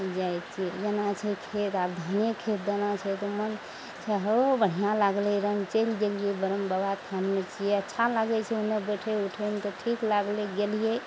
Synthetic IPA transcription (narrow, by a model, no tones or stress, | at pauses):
d͡ʒajt̪t͡ʃʰied͡ʒenat͡ʃʰɛkʰet̪abd̪ʱənjekʰet̪̚d̪ənat͡ʃʰɛt̪ɔmən | t͡ʃʰɛɦobəɽ̤ijãlaɡleɾəmt͡ʃəlɡelijebəɾəmbəbat̪ʰjanmet͡ʃʰijeətːʃʰalaɡɛt͡ʃʰɛunebəʈʰeuʈʰemet̪ɔʈʰiklaɡleɡelije